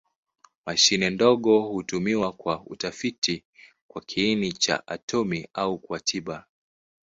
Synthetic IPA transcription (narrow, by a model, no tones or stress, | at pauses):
maʃinɛndɔɠɔhutumiwakwaṵtafitʰi | kwakʰiːnit͡ʃa̰ʔa̰tɔmiaukwatʰiɓa